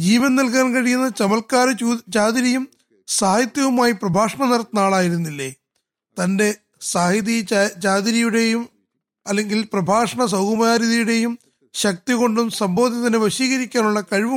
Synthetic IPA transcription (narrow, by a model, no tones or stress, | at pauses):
d͡ʑiːʋɐnnɐlk̬aːnkɐɻijunːɐt͡ɕɐmɐlkaːɾɐut͡ɕaːd̪iɾijum | saːhjɐt̪jɐʋumaːjiprɐbʱaːʂɐɳɐnɐɾɐt̪ːɐnaːɭaːjiɾunːilːe̞ː | t̪ɐnde̞ | saːhiðijt͡ɕaːd̪iɾijuɽe̞jum | ɐlːe̞ŋɡilprɐbʱaːʂɐɳɐs̬ɐwkumɐjaːɾiːðijuɽe̞jum | ɕɐk̚t̪iɣo̞ɳɖumsɐmbʱoːðjɐt̪ɐnːeʋɐɕiːɣɐɾikʲːaːnuɭːɐkɐɻʋu